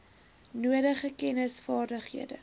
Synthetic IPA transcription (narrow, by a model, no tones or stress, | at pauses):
nuədəχəkɛnəsfɑːrdəχhḭədə̰